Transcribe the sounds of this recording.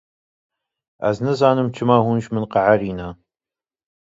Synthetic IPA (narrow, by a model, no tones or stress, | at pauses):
a̰znɐzaːnɨmt͡ʃʰɪmaːwʷʊnʃmɨnqɑʕariːnaː